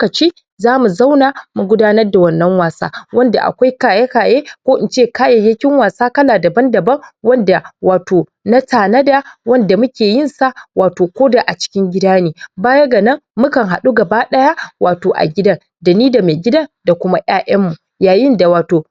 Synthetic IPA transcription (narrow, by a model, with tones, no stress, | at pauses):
o˦kɐ˨t͡ʃiː˦ | zaː˦mu˨za˦wnaː˨mu˨ɡʷʊ˦daː˦nɐ˦rda˨wɐ˦nːɐ˦ŋwaː˨sa̰ː˦wɐ˦nda̰˨ʔa̰˨kʷa˦jkaː˨ja˦kaː˨jeː˦kʷoː˦ʔɪ˨nt͡ʃeː˦˨kaː˦jɐ˨jːɐ˦kʲɪ˦ŋwaː˨saː˦kɐ˦laː˨dɐ˨bɐ˦ndɐ˨bɐ˦ŋwɐ˦nda˨waː˨toː˨ | na˦taː˨nɐ˦da˨wɐ˦nda˨mʊ˦kʲeː˨jɪ˦˨nsa˦waː˨toː˨kʷoː˦daː˨ʔa˨t͡ʃɪ̥˦kʲɪ˦ŋɡʲɪ˦daː˦niː˦baː˦jɐ˦ɡɐ˨nɐ˦ŋːʊ˦kɐ˨ŋɦa˨ɗu˦ɡɐ˨baː˦ɗɐ˦jaː˦waː˨toː˨ʔa̰˨ɡʲɪ˦dɐ˦n | da˨niː˦da˨meː˨ɡʲɪ˦dɐ˦nda˨kʷʊ˦ma˦ʔj̰aː˦ʔɐ˦mːu˨ | jaː˨jɪ˦nda˨waː˨toː˨